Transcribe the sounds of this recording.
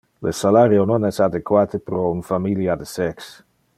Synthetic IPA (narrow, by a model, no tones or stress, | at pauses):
lḛsalaɾjononɛsad̪ekwaːt̪epɾɔunfamiljad̪esɛks